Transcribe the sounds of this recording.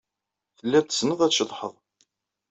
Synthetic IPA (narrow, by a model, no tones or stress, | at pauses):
θəlːæt͡s̪ːə̥snəðˤæt͡sʃəðˤħəðˤ